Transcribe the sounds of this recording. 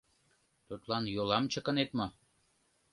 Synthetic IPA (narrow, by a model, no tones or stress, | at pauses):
t̪ut̪lɑnjolɑmt͡ɕə̆kə̆net̪mŏ